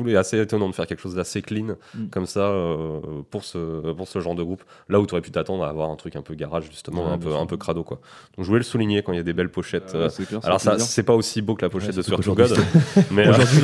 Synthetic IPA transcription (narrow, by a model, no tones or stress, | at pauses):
uɛaseːt̪ɔnɑ̃d̪ə̥fɛʁkʲɛlkəʃozd̪aseklinkɔmsaøpuʁsəpuʁsəʒɑ̃ʁd̪əɡʁup | laut̪yɔʁɛpy̥t̪at̪ɑ̃d̪ʁaːvwaʁɛ̃t̪χykʲɛ̃pøɡaʁaʒʒyst̪əmɑ̃ɛ̃pøɛ̰̃pøkχad̪okwa | d̪ɔ̃kʒəvulɛləsuliɲjekɑ̃iljad̪ebɛlpɔʃɛt̪ʰøa̰lɔʁsasɛpaosiboklapɔʃɛt̪d̪əsyʁt̪uɡɔd̪mɛoʒuʁd̪ɥi